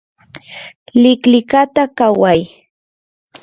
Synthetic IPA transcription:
lɪklɪkat̪akawaj

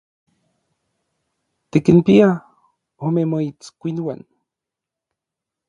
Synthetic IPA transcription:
t̪ikinpia | omemoit͡skʷinwan

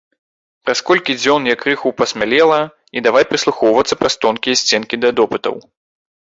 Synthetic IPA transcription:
pɾɐskɔlʲkʲid͡zʲɔnjɐkɾɨxupɐsʲmʲalʲɛlˠɐ | id̪avajpɾɨslˠuxɔwvɐt̪sːɐpɾɐst̪ɔnkʲijɐsʲt͡sʲɛnkʲid̪ɐd̪ɔpɨt̪ɐ̰w

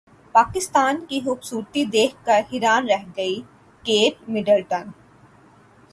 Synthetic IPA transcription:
paːkɪst̪aːnkixʊbsuːɾt̪id̪eːkʰkɐɾhɪɾaːnɾɛɦɡɐi | keːp̚mɪɖəlʈən

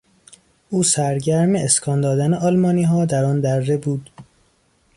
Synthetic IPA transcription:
ʔuːsæɾɟæɾmeeskʰɒːnd̪ɒːd̪æneʔɒːlmɒːniːɦɒːd̪æɾɒːnd̪æɾːebuːd̪

